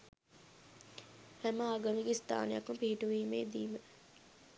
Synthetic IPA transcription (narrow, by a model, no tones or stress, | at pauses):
hæməaɡənuɡest̪a̰ːnejakumpiɦiʈuʋiːmeːd̪iːmə